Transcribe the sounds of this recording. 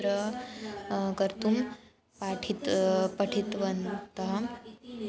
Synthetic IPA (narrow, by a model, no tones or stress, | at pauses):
ɾə | kəɾt̪um | paʈʰit̪pəʈʰit̪ʋənut̪aɦa